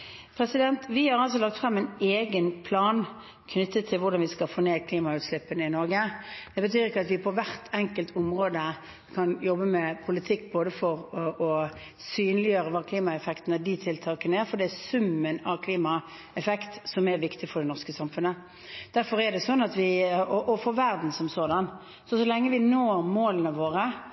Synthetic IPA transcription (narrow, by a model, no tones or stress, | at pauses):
pʰɾɛsɪd̪ɛnt̪ʋɪhɑɾɑls̬ɔlɑk̚t̪fɾɑmːæɪneːɡənpʰlɑːn | kʰnʏt̪ːət̪ʰːɪlʋʊɾd̪ɑnʋɪskɑfoːneːkʰliːmɑʉːt̪slɪpːənəɪnɔɾɡəd̪̥ɛbət̪ʰyːɾɪkːəɑt̪ʋɪpʰɔʋæʁt̪ʰɛŋkəlt̪ʰʊmʁoːd̪ə | kʰɑnjɔbːəmɛpʰʊlɪt̪ʰɪkːboːd̪əfɔʁʔɔ | syːnlɪjøːɾəʋɑːkʰliːmɑɛfɛkt̪ənəd̪ɪt̪ʰɪlt̪ʰɑːkənəæɾfɔd̪ɛæsʉmːənɑʋkʰliːmɑ | ɛfɛkt̪sɔmæɾʋɪkt̪ɪfɔɖ̪ɛnɔʁskəsɑmfʉnə | d̪̥æɾfɔɾɛd̪ɛsɔnːɑt̪ʋɪɔʔɔfɔʋæʁd̪n̩sɔmsoːd̪ɑn | sɔsɔlɛŋːəʋɪnoːɾmoːlənəʋoːʁə